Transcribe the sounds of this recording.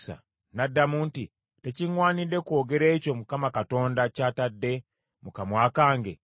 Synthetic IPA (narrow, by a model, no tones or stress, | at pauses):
sa̰ | nadːamunti | te̞ciŋwaːnidːe̞kwo̞ːɡeɾe̞ːco̞mukamakato̞ːndacaːtadːe̞ | mukamwaːkaːŋɡe